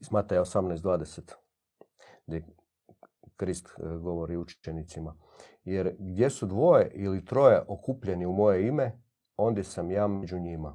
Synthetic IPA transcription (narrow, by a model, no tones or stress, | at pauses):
smaːt̪ajaosamnajsd̪ʋaːd̪eset̪ | ɡd̪ʲe | kɾist̪ɡo̞ʋo̞ɾiut͡ʃenit̪sima | je̞ɾɡd̪je̞sud̪ʋo̞je̞ʔilit̪ɾo̞jeʔokuːpʎe̞niumo̞je̞ime̞ | o̞nd̪je̞samjaːmed͡ʑuɲima